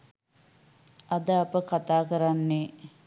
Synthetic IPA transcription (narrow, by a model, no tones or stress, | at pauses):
ɐd̪əapəkat̪aːkəɾanːe